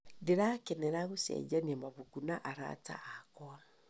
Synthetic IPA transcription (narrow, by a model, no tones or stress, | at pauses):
deɾakɛnɛɾaɣosɛ̰d͡ʒaniamaβukunaʔaɾa̰ta̰ʔakɔa